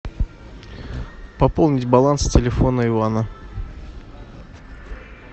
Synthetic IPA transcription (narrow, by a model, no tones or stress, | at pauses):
pɐpolˠnʲɪtʲbɐlˠanstʲɪlʲɪfonəɪvanə